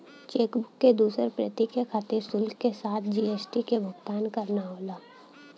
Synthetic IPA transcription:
t͡ʃeːkbʊkːed̪uːsəɾpɾət̪ikekʰaːt̪ɪɾsʊlɡkesaːt̪ʰd͡ʒiːeːsʈikebʱʊɡt̪aːnkɐɾnaɦoːlaː

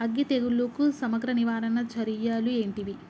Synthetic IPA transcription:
ɐɡːit̪eɡulːukusɐmɐɡɾɐniʋaːɾɐnɐt͡ʃɐɾijaːlue̞ːɳʈiʋi

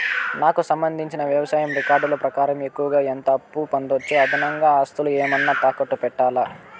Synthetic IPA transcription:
naːkusɐmbɐnd̪ʱiɲt͡ʃinɐʋjɐʋɐsaːjɐmɾikaːɾɖloːpɾɐkaːɾɐme̞kːuʋɐɡaːent̪ɐɐpːupɐnd̪ot͡ʃːeɐd̪ʱinɐŋɡaːaːst̪ulueːmɐnːaːt̪aːkɐʈːupɛʈːaːlaː

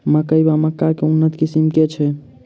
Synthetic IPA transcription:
məkəjbaməkːakeunːət̪kisimket͡ʃʰɛ

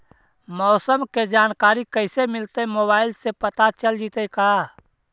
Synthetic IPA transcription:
mɔːsəmked͡ʒaːnkaːɾikəɪsemɪlt̪emoːbaːɪlsepət̪at͡ʃəld͡ʒit̪əka

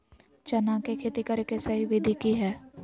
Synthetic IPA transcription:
t͡ʃɐnãkekʰet̪ikəɾkesɐɦiʋɪd̪ʱikiɦɛː

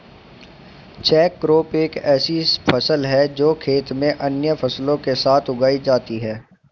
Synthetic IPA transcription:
t͡ʃɛːkːɾoːpeːkɛːsipʰɐsəlɦɛd͡ʒoːkʰeːt̪mẽʔɐnjəfʰɐslõkesaːt̪ʰʊɡaːid͡ʒaːt̪iɦɛː

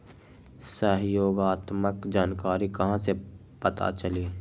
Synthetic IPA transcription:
səɦjoːɡaːt̪məkd͡ʒaːnkaːɾikɐɦãse | pɐt̪a̰t͡ʃɐliː

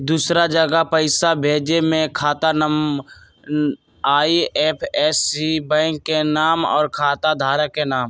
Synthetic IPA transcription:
d̪uːsɾad͡ʒəɡəpəɪsabʱeːd͡ʒemẽkʰaːt̪anəm | aːiɛːpʰɛːsibɛ̃ːŋkːenaːmɔ̰ːɾkʰaːt̪ad̪ʱaːɾakenaːm

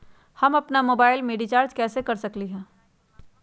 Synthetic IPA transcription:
hɐmɐpnamoːbaːɪlmeːɖit͡ʃaːɾd͡ʒkɛːsekɐɾsɐkliɦɛ̃ː

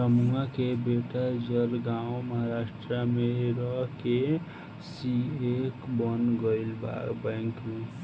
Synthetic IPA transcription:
pɾəmuŋɡakebeʈad͡ʒəɾɡãwməɦaɾasʈɾameɾəɦke | siekbənɡəɪlba̰kbaɪŋkme

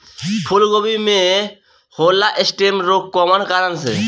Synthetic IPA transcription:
pʰulɡobime | holːaʔesʈemɾokkːɔmankaɾansḛ

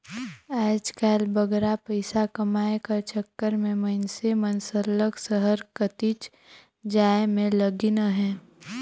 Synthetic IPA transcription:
aːd͡ʒkaːlbəɡɾapəɪsakɐmaːekaɾt͡ʃəkːəɾmẽmənsemənsələksəɦəɾkət̪it͡ʃ | d͡ʒaːemẽləɡinəɦɛ̃ː

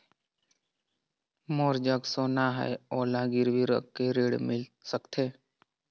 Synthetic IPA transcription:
moːɾd͡ʒəɡsoːnaɦɛ̰eɔːlãɡɪɾʋiɾə̰kːeɾeːɽmɪlsəkt̪ʰeː

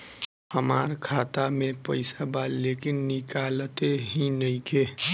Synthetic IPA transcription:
ɦəma̰ːɾkʰaːt̪amẽpəɪsabalːeːkɪnːɪkaːlt̪eɦinəɦĩkeː

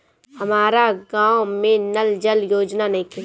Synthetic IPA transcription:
hɐmaːɾaɡãːwmẽnɐld͡ʒəljoːd͡ʒnanɐɦĩki

